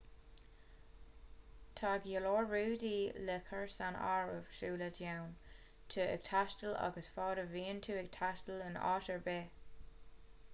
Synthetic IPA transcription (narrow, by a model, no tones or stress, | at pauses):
t̪ʰaɡjəloːɹɹuːdiːlɪkʰəɹsana̰ːɹə̰v̥ʃuːlədʰjawn | tʰəɪ̰ɡ̥̚tʰaʃtəla̰ɡəsfɑːɾəviːntʰuːɪɡ̚tʰaʃtələnɑ̰ːʃəɹbeː